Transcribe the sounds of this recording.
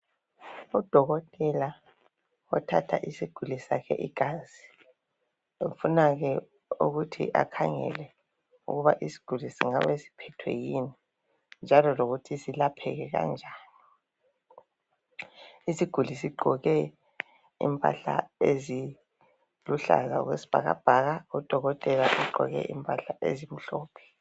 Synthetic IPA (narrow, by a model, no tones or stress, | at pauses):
ud̥ʱɔɣɔtʼɛla | ɔtʰa̰tʰa̰ʔisiɡ̥ʱulisakʰɛ̰ʔiɡ̥ʱazi | ufunaɣɛ | ṵɣutʰḭʔa̰kʰaŋɛ̰lɛ | ṵɣuβaʔisi̥ɡ̥ʱulisḭŋaβesi̥pʰɛtʰwɛ̰jini | nd͡ʒʱalɔloɣutʰisilapʰɛ̰ɣɛɣa̰nd͡ʒʱaːni | isiɡ̥ʱulisiɡ͡ǃʱɔɣɛ | ḭmpʼa̰ɬa̰ezi | luɬa̰za̰ɣwesi̥b̥ʱaɣa̰b̥ʱaɣaud̥ʱɔɣɔtʼɛlaʔiɡ͡ǃʱɔɣɛ̰ʔimpʼaɬaʔḛzim̩ɬɔːpʰɛ̥